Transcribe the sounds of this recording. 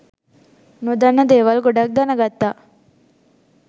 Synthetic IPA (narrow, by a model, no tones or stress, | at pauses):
nʊd̪ɐnɐd̪eːʋɐlɡʊɽɐk̚d̪ɐnɐɡɐt̪ːa